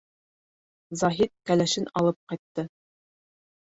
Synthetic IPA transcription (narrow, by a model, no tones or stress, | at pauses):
zɑɦit̪̚kælæʃɘnɑlˠɤp̚qɑjt̪ːɤ